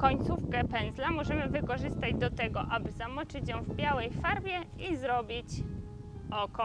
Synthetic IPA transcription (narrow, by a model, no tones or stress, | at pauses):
kɔɲt̪sufkɛpɛnzlamɔʐɛmɘvɘkɔʐɘst̪ad͡ʑd̪ɔt̪ɛɡɔʔabɘzamɔt͡ʂɘt͡ɕjɔ̃w̃vbʲjawɛjfaɾbʲjɛizɾɔbʲit͡ɕ | ɔkɔ